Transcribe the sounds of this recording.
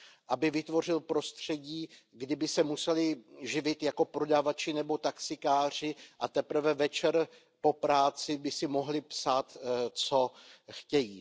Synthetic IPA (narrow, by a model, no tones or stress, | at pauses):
ʔabɪvɪt̪vo̞r̝ɪlpɾo̞st̪r̝̥ɛɟiːɡdɪbɪsɛmusɛlɪʒɪvɪt̪jako̞pɾo̞davat͡ʃɪnɛbo̞t̪aksɪkaːr̝ɪʔat̪ɛpɾ̩vɛvɛt͡ʃɛɾ | po̞pɾaːt͡sɪbɪsɪmo̞ɦlɪpsaːt̪t͡so̞xcɛjiː